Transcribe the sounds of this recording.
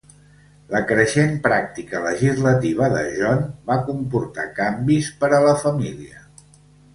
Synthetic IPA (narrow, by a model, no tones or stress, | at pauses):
ləkɾəʃempɾak̚t̪ikələʒizlət̪iβ̞əðə̰ʒɔnbakumpuɾt̪akambispəɾələfəmiliə̰